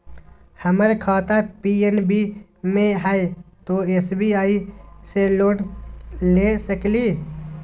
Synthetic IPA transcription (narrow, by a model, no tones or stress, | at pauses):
həməɾkʰaːt̪apiːenbi | mẽɦəet̪oːesbʱiaːiseloːnlẽːsəkliː